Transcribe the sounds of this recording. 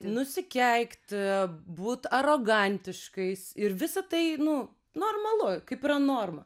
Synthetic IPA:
nʊsʲɪkʲɛɪkt̪buːt̪ɐɾoːɡɐnʲt̪ʲɪʃkɐɪsɪɾʋʲɪsɐt̪ɐɪnʊ | noːrmɐlˠʊkɐɪpɪɾɐnoːrmɐ

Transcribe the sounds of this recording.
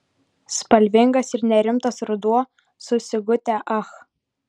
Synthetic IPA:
spɐlʲʋʲɪŋɡɐsɪɾnʲɛɾʲɪmt̪ɐsɾʊd̪uɔ | sʊsʲɪɡʊt̪ʲæʔɐx

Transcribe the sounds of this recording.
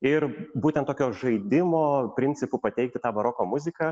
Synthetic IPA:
ɪɾbuːt̪ʲɛnt̪oːkʲoːʒɐɪd̪ʲɪmoːpʲɾʲɪnʲtsʲɪpʊpɐt̪ʲɛɪkt̪ʲɪt̪ɑːʋɐɾoːkoːmʊzʲɪkɐ

